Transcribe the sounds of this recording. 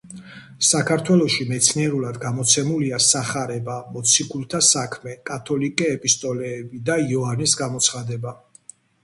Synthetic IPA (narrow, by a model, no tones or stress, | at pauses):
sakʰaɾt̪ʰwɛlˠɔʃimɛt̪sʰniɛɾulad̪ɡamɔt̪sʰɛmuliasaχaɾɛbamɔt̪sʰikʰulˠt̪ʰasakʰmɛkʼat̪ʰɔlikʼɛːpʼist̪ʼɔlɛːbid̪aiɔanisɡamɔt̪sʰχad̪ɛba